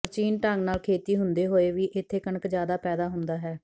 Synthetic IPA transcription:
pəɾt͡ʃiːnʈãːŋɡnaːlkʰeːt̪iːɦʊnd̪eːɦoːeːʋiːʔɪt̪ʰːeːkəɳəkd͡ʒjaːd̪aːpɛːd̪aːɦʊnd̪aːɦɛː

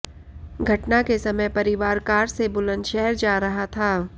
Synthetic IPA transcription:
ɡʱɐʈnakesɐməjpɐɾɪʋaːɾkaːɾsebʊlə̃nd̪ʃɛɦɛɾd͡ʒaːɾɐɦat̪ʰaː

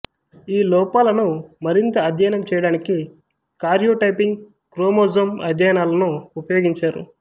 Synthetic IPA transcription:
iːlɔːpaːlɐnumɐɾint̪ɐːd̪ʱjajnɐmt͡ʃɛːjɐɽaːniki | kaːɾjoːʈɐjpiŋɡ | kɾoːmoːzɐmɐd̪ʱjaːjnaːlɐnuupɐjoːɡiɲt͡ʃaːɾṵ

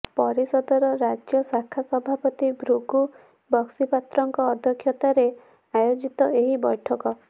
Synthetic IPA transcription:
pɔɾisɔd̪ɔɾɔɾad͡ʒjɔsakʰasɔbʱapɔt̪ibʱɾuɡu | bɔksipat̪ɾɔŋkɔːd̪ʱjɔkʰjɔt̪aɾe | ajod͡ʒit̪ɔeɦibɔjʈʰɔkɔ

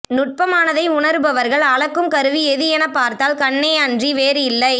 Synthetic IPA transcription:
nʊʈ̚pɐmaːnɐðɐɪʊɳɐɾɯbɐʋɐɾɣɐɭɐɭɐkːɯmkɐɾɯʋiɛðɯjɛnɐpːaːɾt̪aːlkɐɳːeːɐndriʋeːɾɯɪlːɐɪ

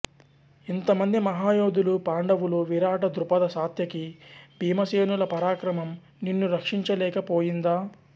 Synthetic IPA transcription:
int̪ɐmɐnd̪imɐɦaːjoːd̪ulupaːɳɖɐʋuluʋiɾaːʈɐd̪ɾupɐd̪ɐsaːt̪jɐkibʱiːmɐseːnulɐpɐɾaːkɾɐmɐm | ninːuɾɐkʂiɲt͡ʃɐlɛːkɐpoːjind̪aː

